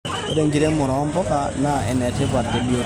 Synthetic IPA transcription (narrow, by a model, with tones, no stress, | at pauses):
ḛ˦ɾe˦ŋɡi˦ɾɛ˦mʊ˨ɾɔ˨˦mbɔ˦ka˨na˨ɛ˨nɛ˨te˦va˨ɾde˦bi˦o˦